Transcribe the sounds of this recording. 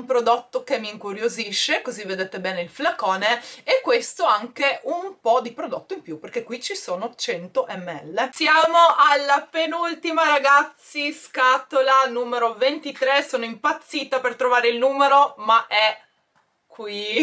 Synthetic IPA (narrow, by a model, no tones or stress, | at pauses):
umpɾod̪ot̪ːokemːiːŋkuɾjoziʃːekozivːed̪eːt̪ebɛːneilflakoːneekːwest̪oaŋkeumpɔd̪ipɾod̪ot̪ːoimpjuperkekːwit͡ʃisoːnot͡ʃɛnt̪oʔɛmːeɛ̰lːesjaːmoʔalːapenult̪imaɾaɡat̪sːiskat̪olanuːmeɾovent̪it̪ɾesoːnoimpat̪sːiːt̪apert̪ɾovaːɾeilnuːmeɾomaʔɛ | kwi